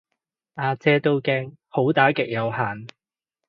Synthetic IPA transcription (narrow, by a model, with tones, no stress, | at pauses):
ʔaː˧t͡sɛː˥t̪o˥wkɛː˧ŋ | ho˨˥wt̪aː˨˥kɪ˨k̚jɐ˨˧whaː˨n